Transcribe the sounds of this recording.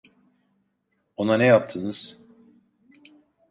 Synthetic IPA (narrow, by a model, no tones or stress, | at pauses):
o̞nanɛjap̚t̪ʰɯnɯz̥